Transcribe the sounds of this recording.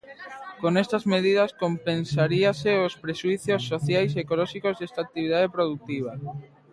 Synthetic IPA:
konest̪azmeð̞iðaskompensaɾiaseospɾeʃuiθjosːoθjajs̬ekolɔʃikozðest̪ak̚t̪iβ̞iðaðepɾoðut̪iβ̞a

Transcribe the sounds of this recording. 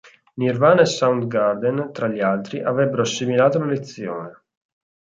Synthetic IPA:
nirvaːnaesːawnt̪ɡard̪ent̪ɾaʎːialt̪ɾiʔavɾɛbːeɾoasːemilaːt̪olalet̪sːjo̰ːne

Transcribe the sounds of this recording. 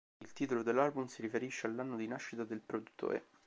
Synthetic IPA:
ilt̪iːt̪olod̪elːalbumsiɾifeɾiʃːealːanːod̪inaʃːit̪ad̪elpɾod̪ut̪ːo̰ːɾḛ

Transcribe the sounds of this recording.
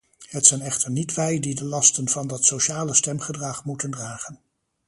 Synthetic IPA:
ɦətsɛjnɛχtəɹnitʋɛjdidəlɑstənvɑndɑtsoʃaːləstɛmχədrɑχmutəndraːχən

